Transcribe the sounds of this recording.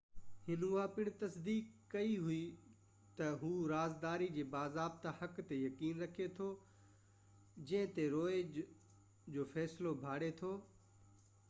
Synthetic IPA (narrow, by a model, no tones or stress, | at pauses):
hɪnuãːpɪɽ̃t̪ɐsd̪iːkːɐiɦʊi | t̪ɐɦuːɾaːzd̪aːɾid͡ʑeːbaːzaːb̚t̪ahɐkt̪ejɐkiːnɾɐkʰet̪ʰoː | d͡ʑɐ̃ɦɪ̃t̪eɾoːe | d͡ʑoːfɛːslobʱaːɽet̪ʰoː